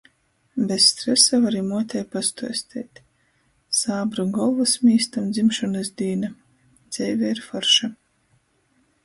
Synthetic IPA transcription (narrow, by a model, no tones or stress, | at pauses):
bʲesːt̪ɾɛsavaɾimuɔt̪ʲɛjpast̪uɔsʲt̪ʲʰɛːt̪ʲ | saːbɾaɡɔlˠvasmʲiːst̪amd̪zimʃɔnɨsd̪ʲiːna | d̪z̥ʲɛjvʲɛiɾfɔɾʃa